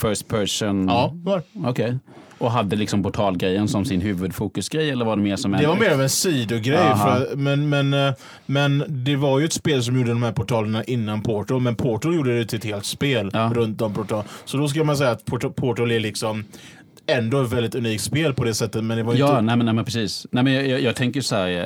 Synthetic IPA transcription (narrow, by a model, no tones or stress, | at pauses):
fœsʈ̚pʰœɾʂʊnɑɔkʰɛj | ʔɔɦad̪ːəlɪksɔmpʊʈʰɑːlɡɾɛjːənsɔmsɪnɦʉ̟ːvɵd̪fuːkɵsɡɾɛjːɛlːəɾvaɖɛmeːʂɔmɛd̪ɛvaɾmeːɾavɛnsiːd̪ʊɡɾɛjːfœɾat̪mɛnmɛn | mɛnd̪ɛvaɾjɵɛt̪speːls̬ɔmjuːɖəd̪ɔmhæːɾpʰɔʈʰɑːləɳaʔɪnːanpʰɔʈʊmɛnpʰɔʈʊjuːɖəd̪ɛjt̪ʰɪɛt̪heːlt̪speːlːɾɵnt̪̚d̪ɔmpʰɔʈʰɑsɔd̪ɔsk̬ɵlːəmans̬ɛjːat̪pʰɔʈpʰɔʈʊlɪlɪksɔm | ɛnd̪oɛt̪vɛld̪ɪt̪ɵniːk̚t̪speːlpʰɔd̪ɛsɛt̪ːət̪mɛnd̪ɛvaɾʏjɑːnɛːmɛnɛæːmɛnpʰɾɛsiːsnɛmɛnjɑjɑːɡt̪ʰɛŋkəɾjʉsɔhæːɾ